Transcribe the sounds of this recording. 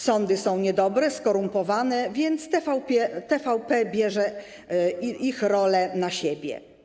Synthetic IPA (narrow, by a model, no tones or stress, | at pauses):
sɔnd̪ɘsɔ̃w̃ɲɛd̪ɔbɾɛskɔɾumpɔvanɛvʲjɛnt̪st̪ɛfawpʲɛt̪ɛfawpɛbʲjɛʐɛ | ixɾɔlɛnaɕebʲjɛ̰